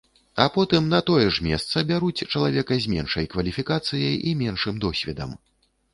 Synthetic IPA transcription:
ɐpɔt̪ɨmnɐt̪ɔjɛʂmʲɛst̪sɐbʲaɾut͡sʲt͡ʂɐlˠavʲɛkɐzʲmʲɛ̰nʂɐjkvɐlʲifʲikat̪sɨjɐjʔimʲɛnʂɨmd̪ɔsʲvʲɛd̪ɐ̰m

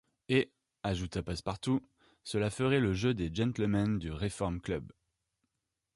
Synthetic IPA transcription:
e | aʒut̪apaspaʁt̪u | səlafəʁɛləʒød̪eʒɛ̃t̪llmand̪yʁefɔʁmklœb

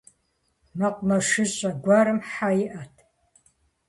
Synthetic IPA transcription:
mɐqʷmɐʂɨɕʼɐɡʷaɾɨmħajɪʔɐtʰ

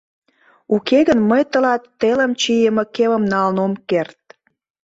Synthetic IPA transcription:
ukʰeɣənməjt̪ə̆lɑt̪ːeləmt͡ɕijəmə̆keβə̆mnɑlnomkert̪̚

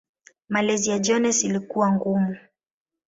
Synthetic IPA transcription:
malɛziad͡ʒɔnɛsilikuwaŋɡumu

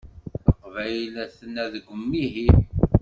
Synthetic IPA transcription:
əqvæjlæθənæðəɡʷəmːiɦi

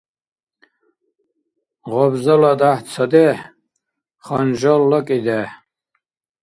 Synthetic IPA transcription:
ʁɔbzɔlad̪aht͡sʰɔd̪ɛ | χɔnʒɔlːɔkʼid̪ɛ

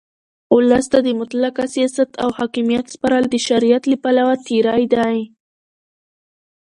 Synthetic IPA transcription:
ʊləst̪ad̪əmʊt̪lakasjasat̪awhɑkimijat̪spaɾɑld̪əʃaɾijat̪ləpalawat̪iɾɑjd̪aj

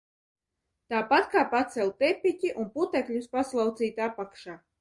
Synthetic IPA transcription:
t̪aːpat̪kaːpat̪sɛlˠʲt̪epʲicʲiʔunput̪ɛklʲuspaslˠawt̪siːt̪apakʃaː

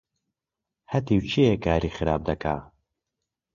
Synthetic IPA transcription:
hɐt̪iwt͡ʃʰiekʰaːɾiːxɨɾa̰ːb̚d̪ɐkʰa̰ː

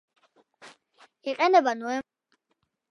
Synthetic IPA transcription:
iqʼɛnɛbanɔɛ

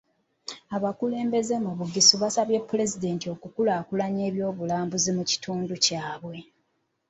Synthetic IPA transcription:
aβakule̞ːmbe̞ze̞muβuɡisuβasaβje̞pːule̞zide̞ntio̞kukulaːkulaɲe̞ːβjo̞ːβulaːmbuzimuci̥tuːnducaːβwe̞

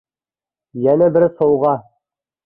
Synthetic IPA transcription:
jænæbɘɾsŏwʁɑ

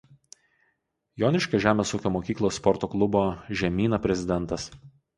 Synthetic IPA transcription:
joːnʲɪʃkɐʒʲæːmʲeːsuːkʲoːmoːkʲiːklˠoːsːpɔɾt̪oːklˠʊboːʒʲɛmʲiːnɐpʲɾʲɛzʲɪd̪ʲɛnt̪ɐs

